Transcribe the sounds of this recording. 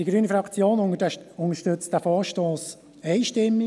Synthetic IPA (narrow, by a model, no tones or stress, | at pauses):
d̥iɡɾyːnifɾɑkt͡sjoːnʊŋəʃtɵt͡std̥æfɔːɾʃtoːs | ɛɪʃtɪmːi